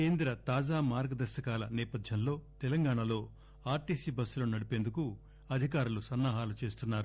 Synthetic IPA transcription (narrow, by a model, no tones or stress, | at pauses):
keːnd̪ɾɐt̪aːd͡ʒaːmaːɾɡɐd̪ɐɾʃɐkaːlɐnɛːpɐd̪ʱjɐnlo̞ːt̪ɛlɐŋɡaːɳɐlo̞ː | aːɾʈiːsiːbɐsːloːnɐɽipeːnd̪uku | ɐd̪ʱikaːɾulusɐnːaːɦaːlut͡ʃe̞ːst̪unːaːɾu